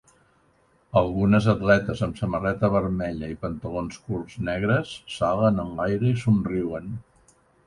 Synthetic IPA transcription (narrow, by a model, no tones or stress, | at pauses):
əlˠɣunəzət̪lɛt̪əzəmsəmərɛt̪əβəɾmɛʎəipənt̪əlonskulˠznɛɣ̞ɾəsːalˠənənlajɾəisunriwən